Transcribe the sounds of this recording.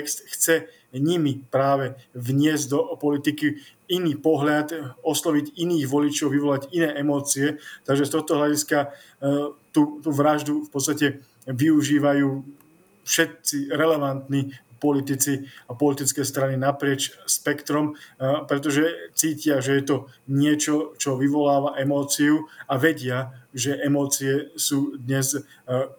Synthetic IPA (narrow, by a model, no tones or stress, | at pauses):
ɛkst̪xt͡sɛ | ɲimipɾaːʋɛʋɲɪɛzɟd̪ɔpɔlit̪iki | iniːpɔɦʎat̪ɔslɔʋiɟiniːɣʋɔlit͡ʃɔʊʋiʋɔlaɟinɛːʔɛmɔːt͡siɛt̪aɡʒɛst̪ɔxt̪ɔɦlʎaɟiska | t̪ut̪uːʋɾaʒd̪ufpɔt͡st̪acɛ | ʋiuʒiːʋajuː | fʃɛt̪̚t͡siɾɛlɛʋant̪nipɔlit̪it͡siapɔlit̪it͡skɛjst̪ɾaninapɾɪɛt͡ʃspɛkt̪ɾɔmpɾɛt̪ɔʒɛt͡siːcɪaʒɛjɛt̪ɔɲɪɛt͡ʃɔt͡ʃɔʋiʋɔlaːʋaʔɛmɔːt͡siuaʋɛɟɪaʒɛʔɛmɔːt͡siɛsuːd̪ɲɛz